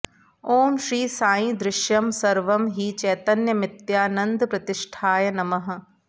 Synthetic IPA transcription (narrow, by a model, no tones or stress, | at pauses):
oːmʃɾiːsaːjĩd̪ɾɪʃjɐmsɐɾʋɐmɦit͡ʃɛːt̪ɐnjɐmɪt̪jaːnɐnd̪pɾɐt̪ɪʂʈʰaːjɐnɐmɐɦɐ̆